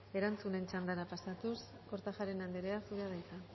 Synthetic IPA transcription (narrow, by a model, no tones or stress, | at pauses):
e̞ɾant͡sune̞nt͡ʃand̪aɾapasat̪us | ko̞ɾt̪axaɾe̞nand̪eɾeasuɾað̞ajt̪a